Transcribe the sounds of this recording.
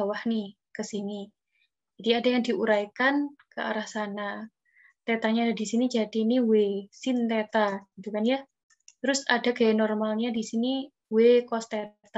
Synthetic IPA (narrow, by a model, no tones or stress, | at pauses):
awahni | kəsini | d͡ʒadiadajaŋdiʔuɾajkankəa̰ɾahsana | t̪ɛt̪aɲadisinid͡ʒadiniwesint̪et̪aɡ̥it̪ukanja | t̪ɾʊsadaɡanɔrmalɲadisini | wekɔst̪et̪